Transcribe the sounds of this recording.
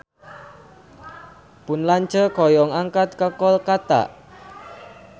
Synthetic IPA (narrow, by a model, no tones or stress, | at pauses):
pʊnlaɲt͡ʃəkɔjɔŋaŋkat̪̚kəkɔlkat̪a̰ʔ